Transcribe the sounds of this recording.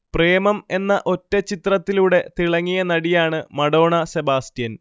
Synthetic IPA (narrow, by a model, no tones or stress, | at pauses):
pre̞ːmɐme̞nːɐʔo̞tːet͡ɕit̪rɐt̪ːiluɽe̞t̪iɭɐŋːijɐnɐɽijaːɳɨmɐɽo̞ːɳɐse̞baːstijɐn